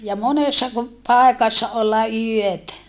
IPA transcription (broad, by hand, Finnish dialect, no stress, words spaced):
jɑ monesːɑ ku pɑˑekɑsːɑ olːɑ yøtæ